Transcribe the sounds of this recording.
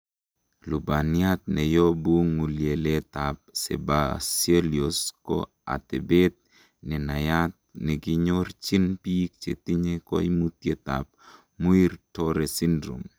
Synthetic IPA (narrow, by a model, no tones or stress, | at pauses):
lubaniat̪̚nɛjobuŋːulielet̪ap̚sḛbaselioskɔ̰ | a̰t̪ebet̪̚ | nɛnajat̪̚nɛɡiɲort͡ʃinpik̚t͡ʃḛt̪iɲeko̰imut̪jet̪a̰p̚ | muirtoɾesindɾṵm